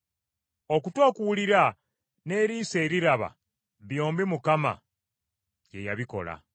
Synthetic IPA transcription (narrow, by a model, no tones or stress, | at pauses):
o̞kutwakuwuliɾa | ne̞ːɾiːse̞ːɾiɾaβa̰ | βjo̞ːmbimukama̰ | je̞jaβiko̞̰la̰